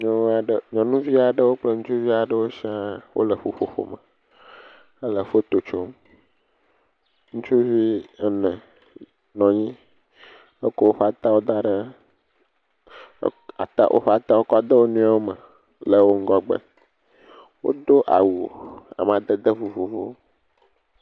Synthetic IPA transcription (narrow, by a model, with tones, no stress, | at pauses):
ɲɔ̃˨˦a˨ɖə˨ɲɔ̃˨nũ˦vi˦a˨ɖə˦wo˦k͡plə˦ŋũ˦t͡ʃu˦vi˦a˨ɖə˦wo˦ʃi˦a˦wʔo̰˦lə˨ɸo˨ɸo̰˦ɸo̰˦mə˨ | ə˦lə˨ɸo˦t̪o˨t͡ʃo˦m | ŋũ˦t͡ʃu˦vi˦ɛ˦nə̃˨ | nɔ̃˨ɲĩ˦ | e˦ko˦wo˦ɸa˨t̪a˦wo˦d̪a˦ɖə˦ | a̰˨t̪a̰˦ʔo̰˦ɸa˨t̪a˦wo˦kɔ˦d̪ə˦wo˦nũ˦a˦wo˦mə˨ | lə˨wo˦ŋ̩˦ɡɔ˦ɡ͡bə̰˨ | wo̰˦d̪o˦ʔa̰˨wu˨a̰˨m˨a˨d̪ə˨d̪ə˦vu˨vu˨vo˦